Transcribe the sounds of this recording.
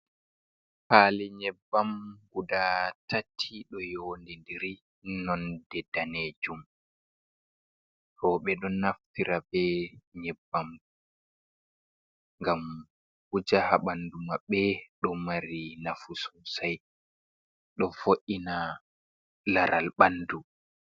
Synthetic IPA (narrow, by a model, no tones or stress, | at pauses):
palɛɲɛbːamɡudatatʰːiɗɔjoːndindiɾi | nɔndɛdaned͡ʒum | hɔɓɛɗɔnaftiɾabɛɲɛbːam | ŋɡam | hud͡ʒahaɓandumaɓɛɗɔmaɾinafususaj | ɗɔfoʔina | laɾa̰lɓandu